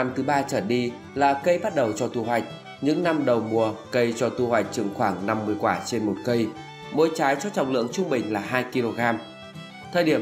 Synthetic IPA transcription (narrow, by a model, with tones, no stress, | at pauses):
a˧mt̪ʰɨ˨˦ɓaː˧t͡ɕəː˧˩ɗi˧ | laː˨˩kə˧jɓa˦˥t̚ɗə˨˩wt͡ɕɔ˧t̪u˧˩ɦwa˨˩jk̟̚ | ɲɨ̰˧˥ŋna˧mɗə˨˩wmu˨˩əkə˧jt͡ɕɔ˧t̪u˧˩hwa˨˩jk̟̚t͡ɕɨ˨˧˩ŋxwaː˧˩ŋna˧mːɨ˨˩əjkwaː˧˩t͡ɕe˧nmo˨˩t̚kə˧j | mo̰˧˦jt͡ɕaː˨˦jt͡ɕɔ˧t͡ɕɔ̰˨˩wŋ͡mlɨ̰˧˨əŋt͡ɕʊ˧ŋ͡mɓï˨˩ŋ̟laː˨˩ɦaː˧jki˧lo˧ɣaː˧m | t̪ʰəː˨˩jɗi˧˩ə